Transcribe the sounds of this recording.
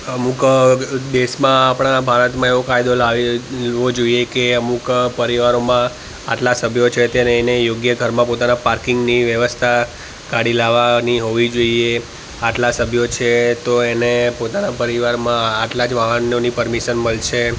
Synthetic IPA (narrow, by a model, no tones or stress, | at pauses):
əmukd̪eʃmãːpɽ̃abʱaɾət̪mãeʋokajd̪olaʋiʋod͡ʒoiekeəmukpəɾiʋaɾomã | a̰ʈlasəbʱjot͡ʃʰet̪enenejoɡjəɡʱəɾmãpot̪anapaɾkɪŋɡniʋjəʋəst̪ʰa | ɡaɽilaʋaniɦoʋid͡ʒoie | aʈlasəbʱjot͡ʃʰet̪oenepot̪anapəɾiʋaɾmãaʈlad͡ʒʋaɦənjonipəɾmiʃənməlt͡ʃʰe